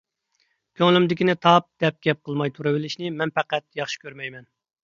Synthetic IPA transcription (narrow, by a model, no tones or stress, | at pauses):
kʲʰøŋlymd̪ɪkʲinɪt̪ʰɑp̚d̪̥ɛp̚ɡʲɛp̚qʰəlˠmɑjt̪ʰuɾɨbɪlɪʃnɪmɛnpɛqæt̪jɑχʃi̥kʲøɾmɛjmɛn